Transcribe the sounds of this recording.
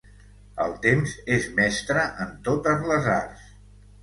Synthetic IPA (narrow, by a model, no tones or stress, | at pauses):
əlˠt̪emzezmɛst̪ɾəʔənt̪ot̪əzləzars